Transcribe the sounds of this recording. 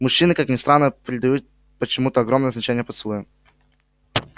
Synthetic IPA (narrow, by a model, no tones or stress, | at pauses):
mʊɕːinɨkaknʲɪst̪ɾanːəpʲɾʲɪd̪ɐjut̪̚ | pət͡ɕɪmut̪əɐɡɾomnəznɐt͡ɕenʲɪjəpət̪slˠojɪ